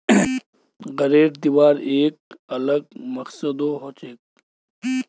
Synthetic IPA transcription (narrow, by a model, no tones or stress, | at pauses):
ɣɐɾeːɖd̪iʋaːɾeːk̚ɐləɡ̚mɐksəd̪oːɦoːt͡ʃeːk̚